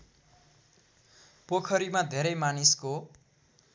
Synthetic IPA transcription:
pokʰʌɾimad̪ʱeɾʌjmanisko

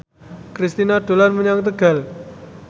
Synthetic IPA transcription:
kɾist̪inaɖ̥o̤lanməɲaŋt̪̬əɡ̥a̤l

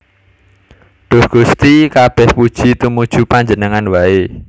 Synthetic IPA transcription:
ɖ̪̥ʊ̤hɡ̥ust̪ikab̥ɛhpud̥ʒ̥i̤t̪umud̥ʒ̥ṳpaɲd͡ʒənəŋanwae

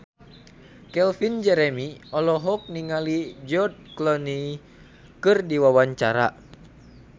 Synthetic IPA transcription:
kɛlfind͡ʒɛɾɛmiɔlɔɦɔk̚niŋalid͡ʒɔd̪̚klɔni | kɨrdiwawaɲt͡ʃaɾa̰

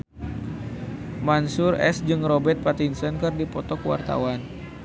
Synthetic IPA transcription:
mansʊrɛ̰sd͡ʒɨŋrɔbɛt̪̚pat̪insənkɨrdipɔt̪ɔkwa̰rt̪a̰wan

